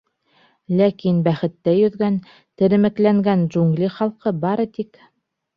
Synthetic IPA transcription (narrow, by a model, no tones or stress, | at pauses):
lækinbæχɘ̆t̪ːæjɵ̆ðɡæn | t̪ɘ̆ɾɘ̆mɘ̆klæŋɡænʒuŋɡlʲiχɑlˠqɤbɑɾɤt̪ik